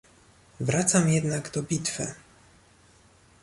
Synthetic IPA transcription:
vɾʔat̪samjɛd̪naɡd̪ɔbʲit̪fɘ̰

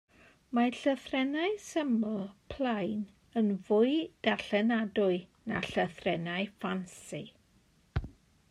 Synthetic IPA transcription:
maɬəθrɛnaɨsəmɔlˠpʰlˠajn | ənvʊɨd̥aɬɛnadʊɨna̰ɬəθrɛnaɨfansi

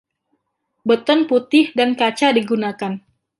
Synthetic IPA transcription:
bət̪ɔnput̪ɪhdankat͡ʃadiɡunakan

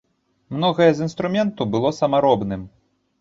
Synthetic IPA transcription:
mnɔɣɐjɛzinst̪ɾumʲɛnt̪ubɨlˠɔsɐmaɾɔbnɨm

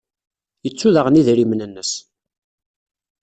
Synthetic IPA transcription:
jət͡sːuðəʁniðɾimnənːəs

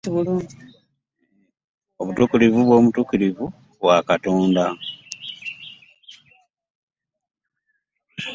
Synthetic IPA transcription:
βuluːni | oβutukilivuβwo̞ːmutukilivu | βwakatoːnda

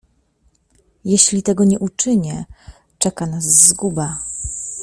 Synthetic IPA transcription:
jɛɕlʲit̪ɛɡɔɲɛʔut͡ʂɘɲɛ | t͡ʂɛkanasːɡuba

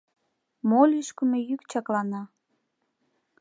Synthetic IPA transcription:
molʲyʃkə̆mejykt͡ɕɑklɑnɑ

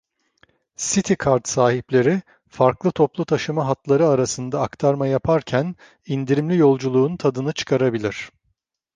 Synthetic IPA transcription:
sit̪ʰikʰaɾt̪saːɦiplʲe̞ɾi | faɾklˠɯt̪ʰo̞plˠut̪ʰaʃɯmaɦat̪lˠaɾɯaɾasɯnd̪aːkt̪ʰaɾmajapʰaɾcʰæn | ind̪iɾimlʲijo̞lˠd͡ʒulˠuːnt̪ʰad̪ɯnɯt͡ʃʰɯ̥kʰaɾabilʲiɾ̥

